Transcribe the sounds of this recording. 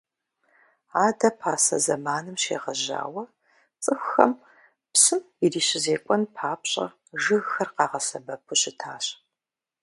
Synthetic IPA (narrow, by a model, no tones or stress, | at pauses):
aːdɐpʰaːsɐ̰zɐmaːnɨmʃḛːʁɐʑa̰ːwɐ | t͡sʼɨxʷxɐ̰m | psɨm | iriːɕɪzeːkʷʼɔnpʰaːpɕʼɐ̰ | ʒɨɣxɐrqɑːʁɐsɐbɐpʰuɕɪtʰaːɕ